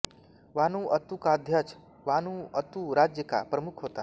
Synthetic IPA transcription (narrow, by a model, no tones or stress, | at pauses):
ʋaːnuʔɐt̪ukad̪ʱjat͡ʃ | ʋanuət̪uɾad͡ʒjəka̰pɾəmukʰɦoːt̪a̰